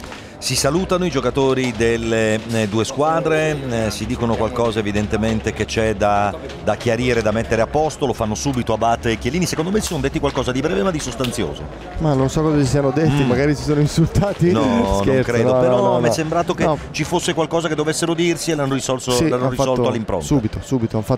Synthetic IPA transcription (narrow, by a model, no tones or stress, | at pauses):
sisaluːt̪anoid͡ʒokat̪oːɾid̪elːed̪uːeskwaːd̪ɾesid̪iːkonokwalkɔːzaevid̪ent̪ement̪eket͡ʃɛd̪a | d̪akjaɾiːɾed̪amet̪ːeɾeapːɔst̪olofanːosuːbit̪oabːat̪ːek̟jeliːnisekond̪omesi̥sond̪et̪ːikwalkɔːzad̪ibɾɛːvemad̪isost̪ant̪sjo̰ːzo̰ | manːonsɔkːɔzasisiːanod̪et̪ːimaɡaːɾisisoːnoinsult̪aːt̪inɔnoẽkɾeːopeɾɔɔamːɛsːembɾaːt̪oket͡ʃifosːekwalkɔːzaked̪ːovesːeɾod̪irsielːanːoɾisɔlsolanːoɾizɔloalːimpɾo̰ntsuːbit̪osuːbit̪oanfa